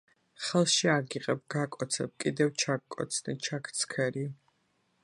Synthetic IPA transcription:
χɛlˠʃiaɡiqʼɛb̚ɡakʼɔt̪sʰɛb̚kʼid̪ɛvt͡ʃʰakkʼːɔ̰t̪sʰnḭt͡ʃʰakʰt̪sʰkʰɛɾi

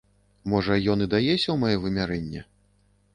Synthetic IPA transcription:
mɔʐɐjɔnɨd̪ajɛsʲɐwmajɛvɨmʲaɾɛnʲːɛ

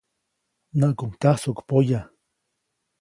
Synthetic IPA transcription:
naʔkuŋt̪ahsokpoja

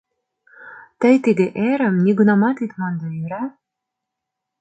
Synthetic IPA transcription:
t̪ə̆jt̪iɡ̪eʔeɾə̆mnʲiɡunɑmɑt̪it̪mɑnd̪ɑyɾɑ

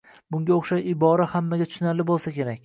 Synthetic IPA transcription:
bʊŋɡʲaoχʃaʃɪbɒɾahamːaɡʲat̪ʰʊ̥ʃʊnaɾlɪbolˠsakʲe̞ɾakʲ

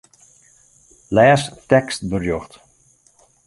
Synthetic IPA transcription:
lɛːstɛkst̚bərjɔxt

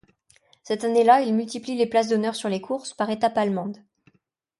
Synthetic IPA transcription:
sɛt̪anelailmylt̪iplileplas̬d̪ɔnœʁsyʁlekʰuʁspaʁet̪apalmɑ̃d̪

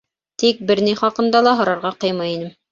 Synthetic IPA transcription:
t̪ik̚bɘ̆ɾniχɑqɤ̆nd̪ɑlˠɑɦɤ̆ɾɑɾʁɑqɤjmɑjinɘm

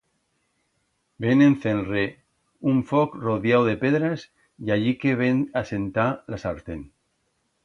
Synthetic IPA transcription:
benẽnθenre | uɱfokroðjawðepeðɾas | jaʎikeβenasent̪alasaɾt̪en

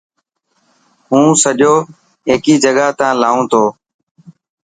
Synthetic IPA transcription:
ɦũːsəʄoː | ɦeːkiːd͡ʒəɠaːt̪ãːlaːũːt̪ʰoː

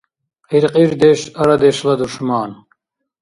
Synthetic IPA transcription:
iɾqʼiɾd̪ɛʃaɾad̪ɛʃlad̪uʃmaːn

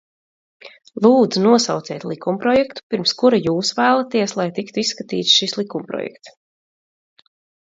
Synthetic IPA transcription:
lˠuːd̪zunuɔsawt̪sɛːt̪lˠikumpɾɔjɛkt̪u̥piɾmskuɾajuːsvæːlˠat̪iɛslˠajt̪ikt̪uisːkat̪ḭːt̪sʃislˠikumpɾɔ̰jɛ̰kt̪s

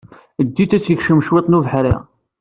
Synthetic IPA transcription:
əd̪ːit͡s̪ːæt͡sːjəçʃəmʃwet̪ˤnuvəħɾḭʁ

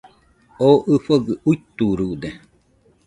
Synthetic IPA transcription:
oʔɨfoɡɨuit̪uɾud̪e

